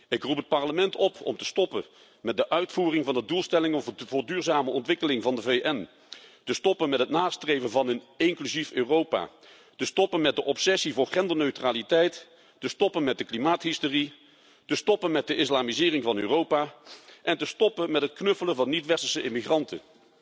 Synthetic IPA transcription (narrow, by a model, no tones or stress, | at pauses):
ɪkrupət̚pɑɹləmɛntɔpʰɔ̰mtə̥stɔpə | mɛt̚dəʔœɥtfuːrɪŋvɑndədulˠstɛlɪŋəvvʊːɹdyːɹzaːməɔntʋɪkəlɪŋvɑndəvejʔɛn | təstɔpənmɛtɦətnaːstrejvənvɑnən | ɪŋklyziføːrowpa̰ː | təstɔpənmɛt̚dəʔɔpsɛsivʊːɹχɛndənøɥtraːlitɛjt | təstɔpənmɛt̚dəklimaːtɦɪstʊri | təstɔpənmɛt̚dəʔɪslaːmizɪːrɪŋvɑnøːrowpaːʔɛntəstɔpənmɛtɦətknɵfələnvɑnːitʋɛstəɹsəʔɪmiχrɑntə̰